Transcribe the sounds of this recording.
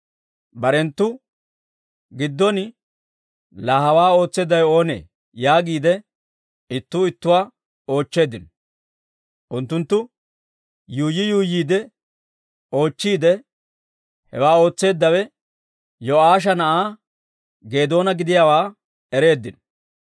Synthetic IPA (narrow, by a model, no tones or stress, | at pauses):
bɐɾɛnt̪ːʊ | ɡɪd̪ːɔn | laːɦɐwaːo̞ːt͡sːe̞ːd̪ːɐjo̞ːnḛː | jaːɡiːd̪ɛ | ɪt̪ːʊɪt̪ːʊwaː | o̞ːt͡ʃːe̞ːd̪ɪn | ʔʊnt̪ːʊnt̪ːʊ | juːjːɪjuːjiːd̪ɛ | o̞ːt͡ʃːiːd̪ɛ | hɛ̰waːo̞ːt͡sːe̞ːd̪ːɐwɛ | jɔaːʃ̬ɐnɐʔaː | ɡe̞ːd̪o̞ːnɐɡɪd̪ɪjaːwaː | ɛɾe̞ːd̪ːɪn